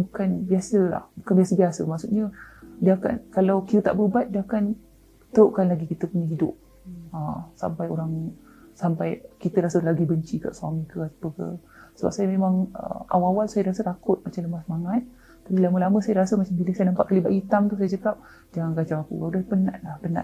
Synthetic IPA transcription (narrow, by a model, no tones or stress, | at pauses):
bukanbiasəla̰hbukanbiasəbiasəmaksuʔɲədiəaka̰nkalawkiɾət̪a̰ʔbəbat̪̚diəakan | t̪əoʔkanlaɡikit̪əpuɲaɦidʊ̰p̚ | əsa̰mpajoɾaŋ | sampajkit̪əɾasəlaɡibəɲt͡ʃika̰ʔsuamikəat̪apəkə̰ | səba̰p̚sajəmemaŋə̰a̰waawalsajaɾasət̪akʊt̪̚mat͡ʃamləmasəmaŋat̪̚ | t̪ːapilaməlamə̃sajaɾasəmat͡ʃambiləsajanampaʔkalibaʔhit̪amt̪usajad͡ʒəkap̚ | d͡ʒaŋanɡad͡ʒawakṵaudahpəna̰ʔlahpəna̰ʔ